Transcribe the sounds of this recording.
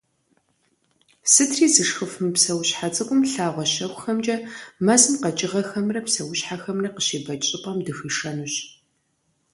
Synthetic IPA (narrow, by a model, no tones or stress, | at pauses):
sɨtʰriːzɨʂxɨfɨmpsɐwɕħat͡sʼɐkʷʼʊmɬaːʁʷɔɕɐxʷʊxɐmd͡ʒʼɐmɐzɨmqɐt͡ʃʼɪʁɐxɐmrɐpsɐwʊɕħaxɐmrɐqəʃeːbɐt͡ʃʼɪpʼɐmdɨxiːʂɐnuɕ